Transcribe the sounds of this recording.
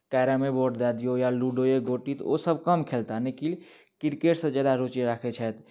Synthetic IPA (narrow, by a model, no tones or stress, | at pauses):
kaːɾamẽboːʈd̪aːd̪ijojaluːɖoeɡoːʈit̪o̰səb̚kəmkʰeːlt̪anekil | kɪɾkeʈsẽd͡ʒəːd̪aɾoːt͡ʃeɾaːkʰet͡ʃʰɛt̪